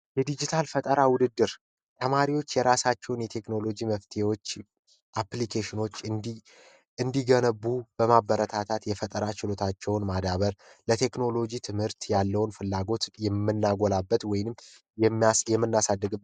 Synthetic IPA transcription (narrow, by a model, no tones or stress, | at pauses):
jɛd̪id͡ʒit̪ʰalfət̪ʼəɾawʊd̪ɨd̪ːɨɾ | t̪ʰəmaɾiwo̞t͡ʃːjɛɾasat͡ʃːɛwʊnjɛt̪ʰe̞kno̞lo̞d͡ʒiməft̪ʰewo̞t͡ʃː | ʔaplikʰeʃɪno̞t͡ʃːɨ | ɨnd̪iɡənəbːub̥əmabəɾət̪ʰat̪ʰat̪jɛfət̪ʼəɾat͡ʃɪlo̞t̪ʰat͡ʃːɛwʊnmad̪aβəɾlət̪ʰe̞kno̞lo̞d͡ʒit̪ʰɨmhɨɾt̪jalːəwnfɨlːaɡo̞t̪jɛmːɨnːaɡolabːət̪wɔjɪnɨmː | jɛjɛmːɨnːasad̪ːəɡɨ